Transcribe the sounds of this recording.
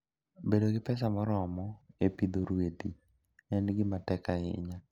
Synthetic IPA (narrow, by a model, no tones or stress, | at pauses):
bedoɡɪpɛs̬amɔɾɔmɔepid̪oɾwet̪i | ɛnɡɪmatɛkaɪ̰ɲa